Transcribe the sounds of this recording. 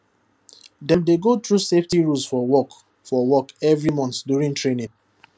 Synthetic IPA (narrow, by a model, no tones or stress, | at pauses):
dɛ̃mdeɡot̪ɹuseftiɹusfɔwɔk | fɔwɔkɛvɹimɔ̃ntdjuɹĩŋtɹenĩŋ